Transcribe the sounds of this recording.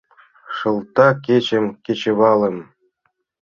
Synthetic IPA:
ʂɤ̆lˠt̪ɑkʲet͡ɕĕmkʲet͡ɕĕβɑlˠɤ̆m

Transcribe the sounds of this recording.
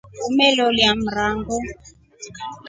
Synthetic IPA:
umɛlɔljam̩raŋɡu

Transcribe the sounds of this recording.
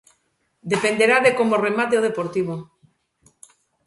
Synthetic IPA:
d̪epend̪eɾaðekomoremat̪eoð̞epoɾt̪iβ̞o

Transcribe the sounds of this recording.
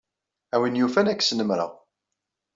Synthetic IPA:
æwinjufænækːsnəmɾə̰ʁ

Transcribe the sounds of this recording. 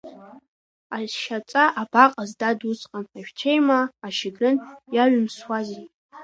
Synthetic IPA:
aʃat͡sʼaʔabaqʼazdadusʼqʼanaʃᶣt͡ʃʰejmaːʃɪɡɨnjaɥʊmswazi

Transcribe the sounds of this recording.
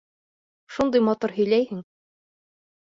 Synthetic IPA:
ʃund̪ɤjmɑt̪oɾɦɵ̆jlæjhɘŋ

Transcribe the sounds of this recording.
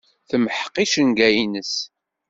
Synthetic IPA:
θəməħqːiʃənɡæjinəs

